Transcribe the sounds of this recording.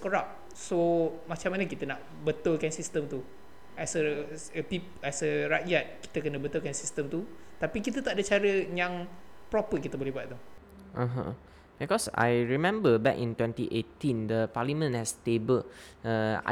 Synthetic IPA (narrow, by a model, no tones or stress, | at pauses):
koɾap̚ | somat͡ʃãmːanəkit̪ənaʔ | bət̪olkansist̪əmt̪u | ɛsə | əpipɛsəɹaʔ̚d͡ʒat̪̚ki̥t̪əkənəbət̪olkansist̪əmt̪ut̪apikit̪ət̪aʔdət͡ʃaɾəjãŋpɾɔpəkit̪əbolɛɦbuat̪̚t̪u | ʔəɦə̰̃ | bikɔsa̰jɹimɛ̃mbəbɛ̰kḭ̃ntwɛ̃ntiʔetĩndəpalimə̃nhɛstebəl | ə̰